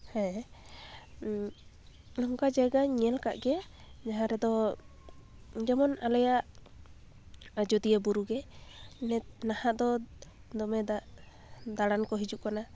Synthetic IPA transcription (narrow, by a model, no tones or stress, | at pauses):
hɛ̃ | nɔŋkad͡ʒaɡaɲɛlka̰ʔɡɛaɲaɦaɾɛd̪ɔ | d͡ʒɛmɔnalɛjaʔ | d͡ʒɔd̪iəbuɾuɡɛnɛnahaʔd̪ɔ | d̪ɔmɛa | d̪aɽankɔɦid͡ʒuʔ̚kana